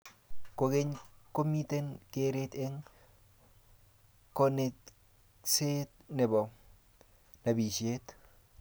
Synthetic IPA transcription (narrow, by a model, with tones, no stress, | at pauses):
koke˦ɲko˦mi˦t̪e˦nkeɾet̪e˦ŋ | konet | set̪̚ne˨bo˨ | nɐ˨bi˨ʃet̪